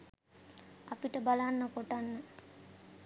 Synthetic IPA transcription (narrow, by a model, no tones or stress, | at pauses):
apiʈəbalanːəkoʈanːə